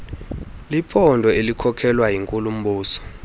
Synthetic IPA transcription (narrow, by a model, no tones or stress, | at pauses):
lipʰɔndʱɔelikʰɔkʰɛlwajiŋkʼulum̩ɓuːsɔ̥